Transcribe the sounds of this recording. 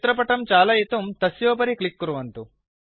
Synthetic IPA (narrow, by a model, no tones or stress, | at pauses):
t̪ɾɐp̬ɐʈɐmt͡ʃaːlɐjit̪ɐmt̪ɐsjoːp̬ɐɾiklikːuɾuʋɐnt̪u